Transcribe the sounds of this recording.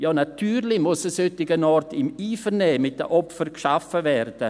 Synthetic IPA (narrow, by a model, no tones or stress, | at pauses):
jɑːnatʰyːɾlɪmʊsɛsøtːɪɡənɔrtɪmiːfəɾnɛːmɪt̚d̥ə̰ʔɔpfərkʃafəvɛrd̥ə